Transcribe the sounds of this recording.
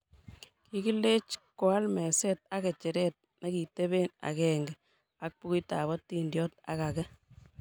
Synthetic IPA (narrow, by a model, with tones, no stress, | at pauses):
ki˦ki˦lːe˦t͡ʃko˨a˦lmɛ˨se˦t̚a˦kɛ˨t͡ʃɛ˨ɾɛt̚na˦ki˨te˦beː˦na̰˨kɛ˨ŋɡɛ˨ | a˨k̚pu˦ki˦ta̰˨βɔ˦ti˦ndjɔ˦ta̰˦ka˨kɛ˦